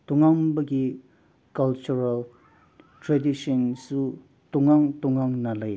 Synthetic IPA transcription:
t̪uŋaŋbaki | kalt͡ʃuɹal | tʰɹadiʃɔnsu | t̪uŋaŋt̪uŋaŋnalaj

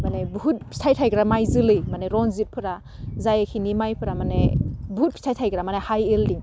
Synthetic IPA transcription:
manebuɦut̚pʰi̥tʰajtʰajɡɾamajzɯlɯjmaneɾɔnzit̚pʰɯɾa | zajakʰinimajpʰɯɾamanḛbuɦut̚pʰi̥tʰajtʰajɡɾamanahajeldiŋ

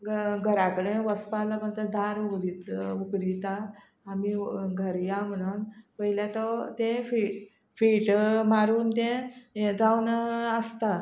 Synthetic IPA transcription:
ɡʱəɾakəɽẽʋəspalakənt̪əd̪ʱaɾukɽit̪ukɽit̪aː | miɡʱəɾjam̤əɽ̃uːnpəjljat̪ɔt̪ẽfi | fiːʈmaɾuːnt̪ẽd͡zawnəst̪a

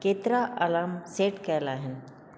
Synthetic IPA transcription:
keːt̪ɾaʔalaːmseːʈkɛlaːɦɪn

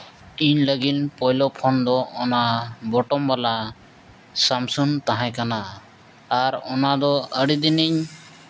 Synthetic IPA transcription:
iɲləɡinpɔjlɔpʰɔnd̪ɔːnabɔʈɔmbala | samsunt̪aɦãjkanaː | ɾɔnad̪ɔəɽid̪iniɲ

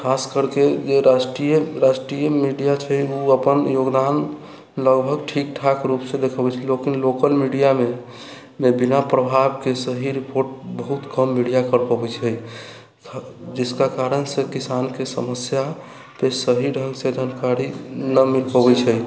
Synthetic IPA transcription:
kʰaskəɾked͡ʒeɾasʈɾijəɾasʈɾijəmiɖijat͡ʃʰəjuəpənjoɡd̪an | ləɡbʱəɡʈʰik̚ʈʰakɾupsẽd̪ekʰəbɛt͡ʃʰɛlokinlokəlmiɖijame | mebinapɾəbʱabkesəɦiɾipoɾʈ̚bəɦut̪kəmːiɽijakəɾpəbɛt͡ʃʰəjʰ | d͡ʒɪskakaɾənsekisankesəməsja | pesəɦiɖʱəŋɡsed̪ʱənkaɾinəmilpəbɛt͡ʃʰəj

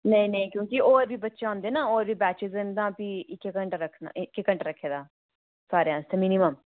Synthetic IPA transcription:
nəĩnə̃ĩkjõːkɪoːɾbiːbətːʃeãːnd̪eːnãːoːɾbiːbɛːt͡ʃɪzə̃nd̪ãːpiːʔɪkːkəɳʈɾəkʰnã̰ːɪkːkəɳʈːɾəkʰːeːd̪aː | saːɾejãːst̪ẽmɪnɪməm

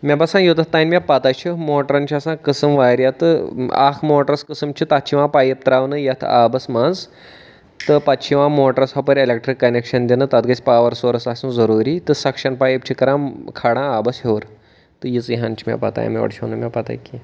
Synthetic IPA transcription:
mʲabɐsãːjut̪ɐt̪ajnʲmʲjapat̪ajt͡ʃʰimoːʈɾanʲt͡ʃʰiasãkəsɨmʋaɾjat̪ɨa̰kʰmoːʈɾɐskəsɨmt͡ʃʰit̪at͡ʃʰiʋãpajep̚t̪ɾaʋnɨjat̪ʰa̰bɐsmand͡z | t̪ɨpat͡ʃʰiʋãmoːʈɾɐsɦɐpəɾʲelek̚ʈɾikːɐnekʂɐnd̪ʲinɨt̪at̪ɡɐt͡spaʋɐɾsoɾɐsasũzɐɾuɾiːt̪ɨsɐkʂɐnpaːjep̚t͡ʃʰikɐɾãmkʰaɽãabɐsɦeʋɾ | t̪ɨjit͡sjiɦãnt͡ʃʰimʲa̰pa̰t̪a̰ja̰mʲiʋɐ̰ɽt͡ʃʰinɨmʲjapat̪a̰jki

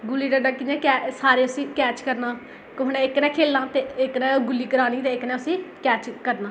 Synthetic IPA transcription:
ɡʊlːiːɖəɖaːkɪɛ̃ːkɛːsaːɾeːʊsĩːkɛːt͡ʃkəɾnaː | kʊɦnɛ̃ːɪknɛ̃ːkʰeːlːaːt̪eːɪknɛ̃ːɡʊlːiːkəɾaːniːt̪eːɪknɛ̃ːʊsĩːkɛːt͡ʃkəɾnaː

